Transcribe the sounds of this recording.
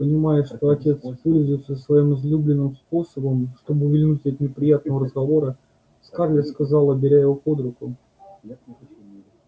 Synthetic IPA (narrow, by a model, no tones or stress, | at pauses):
pənʲɪmajʊʂt̪oɐtʲe̞t̪spolʲzʊɪt̪səsvɐimɨzlʲublʲɪnːɨmspo̞səbəmʂt̪o̞bɨʊvʲɪlʲnutʲət̪nʲɪpɾʲɪjat̪̚nəvəɾəzɡɐvo̞ɾə | skarlʲɪskazɑlˠəbʲɪɾʲajɪvopod̪ɾʊkʊ